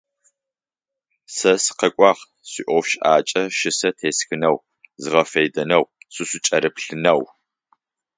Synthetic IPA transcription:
sɐsqɐkʷʼɑːʁ | sʷiʔʷɔfʃʔaːt͡ʃʼɐʃɪsɐtʰeːsxɨnɐw | zɨʁɐfɐjdɐnɐwsʷɨsʷʊt͡ʃʼɐɾɨpɬɨnɐw

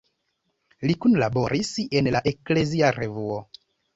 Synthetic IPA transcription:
likunlabo̞ɾʔise̞nlaʔe̞kle̞ziaɾe̞vuo

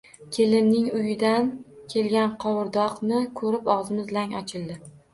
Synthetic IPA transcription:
kʲʰe̞lɪmnɪŋʊjɪd̪ankʲʰe̞lɡʲanqʰɒwʊɾd̪ɒqnɪkʰɵɾɪpɒʁzɪmɪzlaŋɒt͡ʃʰɪld̪ɪ

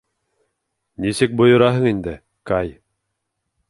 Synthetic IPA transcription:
nisɘk̚bŏjŏɾɑɦɤɴind̪ɘ | kɑj

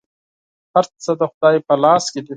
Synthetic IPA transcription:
haɾt͡sɐd̪əxʊd̪ɑːjpɐlɑːsked̪i

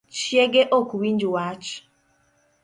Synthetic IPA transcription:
t͡ʃieɡeʔokuwin̩d͡ʒʊwaat͡ʃʊ̥

